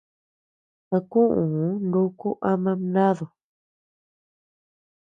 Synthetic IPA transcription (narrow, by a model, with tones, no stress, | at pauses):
a˧kũ˦ʔũ˨˦ndu˦ku˦ʔa˧mã˧nã˦ðo˨